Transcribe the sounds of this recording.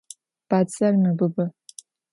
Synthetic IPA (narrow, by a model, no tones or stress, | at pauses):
b̥aːt͡sʼɐrmɐbɨbɨ